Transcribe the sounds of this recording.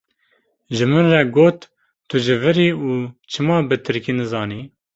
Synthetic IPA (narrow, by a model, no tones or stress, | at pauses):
ʒɨmɨnrɛɡoːt̪ː | ʊʒɨvɨɾiːuːt͡ʃʰɨmɑːbɨt̪ʰɨɾkinɨzɑːniː